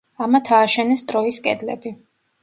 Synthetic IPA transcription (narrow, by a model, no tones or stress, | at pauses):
amat̪ʰaːʃɛnɛst̪ʼɾɔiskʼɛ̰d̪lɛ̰bi